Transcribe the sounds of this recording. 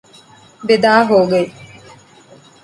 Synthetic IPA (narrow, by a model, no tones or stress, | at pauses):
bed̪aːɦoːɡe